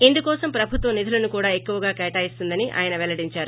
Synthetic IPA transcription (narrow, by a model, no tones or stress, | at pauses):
end̪ukɔːsɐmpɾɐbʱut̪ʋɐnːid̪ʱɐlɐnukuːɽaːe̞kːuʋɐɡaːkɛːʈaːjist̪und̪ɐniʔa̰ːjɐnɐʋɛlɐɽiɲt͡ʃaːɾu